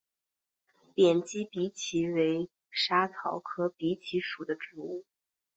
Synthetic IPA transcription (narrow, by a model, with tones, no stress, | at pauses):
pjɛ˨˩nt͡ɕi˥pi˧˥t͡ɕʰi˧˥we˧˥ɪ | ʂa˥t͡s̪ʰɑ̰˧˥ʊkʰɤ˥pi˧˥t͡ɕʰi˧˥ʂu˨˩d̪ə˦ʈ͡ʂu˧˥u˥˩